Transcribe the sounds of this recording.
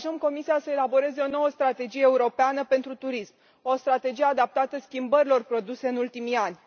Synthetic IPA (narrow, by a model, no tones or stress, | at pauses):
ʒəmko̞misiasəe̞labo̞ɾe̞ze̞o̞no̞wəst̪ɾat̪e̞d͡ʒijeeuɾo̞peanəpe̞nt̪ɾut̪uɾism | o̞st̪ɾat̪e̞d͡ʒijead̪ap̚t̪at̪əskʲimbəɾilo̞rpɾo̞d̪use̞ɨnult̪imijanʲ